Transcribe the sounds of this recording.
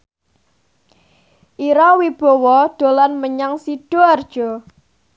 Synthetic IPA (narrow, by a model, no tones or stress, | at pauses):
ʔiɾawib̥ɔ̤wɔɖ̪̥o̤lanməɲaŋsiɖ̥ɔard̥ʒ̥ɔ